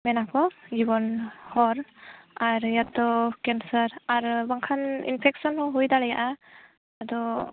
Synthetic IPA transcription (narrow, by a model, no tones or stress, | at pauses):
mɛnakɔd͡ʒibɔnhɔɾaɾjat̪ɔkɛnsəɾaɾbaŋkʰanḭnpʰɛksɔnhɔ̃ɦujd̪aɽɛja̰ʔa | ad̪ɔ